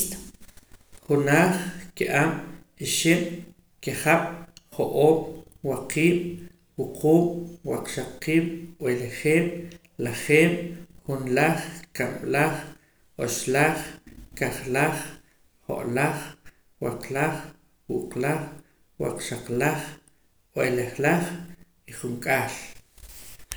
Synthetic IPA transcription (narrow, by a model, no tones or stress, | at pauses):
t̪ | χunaːχkiʔam | iʃim | kiχaɓ̥χoʔoːm | waqiːɓ̥ | wuqʰuːmwaqʃaqːiːɓ̥weleχeːm | laχeːɓχunlaχkamlaχ | oʃlaχkaχlaχ | χo̰ʔlaχ | wa̰qlaχ | wuʔqlaχ | wa̰qʃaqlaχ | weleχlaχ | iχuŋkʼaːl